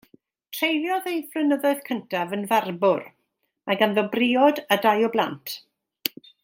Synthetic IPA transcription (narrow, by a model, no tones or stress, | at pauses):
tʰrejlˠjɔðejvlɨnəðɔɨð̥kʰəntʰavənvarbʊr | maɡanðɔbrɪɔdadajɔblˠantʰ